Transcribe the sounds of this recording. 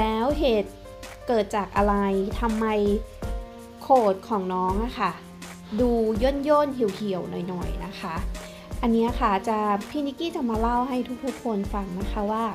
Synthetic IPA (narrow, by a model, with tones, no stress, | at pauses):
lɛː˦˥wɦeː˨˩t̪̚ | kɤː˨˩t̪̚t͡ɕaː˨˩k̚ʔa˧ɾa˧jt̪ʰa˧mːa˧j | kʰoː˨˩t̪̚kʰɔː˨˩˦ŋnɔː˦˥ŋʔa˧˩kʰa˥˩ | duː˧jo˥˩˨njoː˥˨nhʰi˨˩˦wkʰi˨˩˦ə˦wnɔ˨˩jnɔ˨˩jna˦˥kʰa˦˥ʔ | ʔa˧nːi˦˥ɐ˥˧xʰa˥˩t͡ɕa˨˩pʰiː˦˥ni˦˥kiː˥˩t͡ɕa˨˩maː˧la˥˩wɦa˥˩jt̪ʰu˦˥k̪̚ʰu˦˥˩kʰːo˧nfa˧ŋna˦˥kʰa˦˥waː˥˩